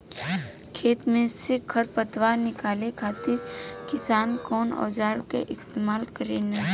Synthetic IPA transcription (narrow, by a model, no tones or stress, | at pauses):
kʰeːt̪mẽsekʰəɾpət̪ʋanɪkaːlekʰaːt̪ɪɾkɪsaːnkɔːnɔ̰ːd͡ʒaːɾkḛʔɪst̪eːmaːlkəɾenɐ